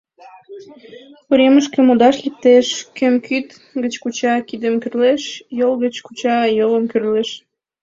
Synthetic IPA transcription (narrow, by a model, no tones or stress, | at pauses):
uɾʲeməʃ̬kemod̪ɑʃlip̚t̪eʃkømkʰyt̪ | ɡət͡ɕkut͡ɕɑkid̪əmkyrleʃjolɣət͡ɕkut͡ɕɑjoləmkyrleʃ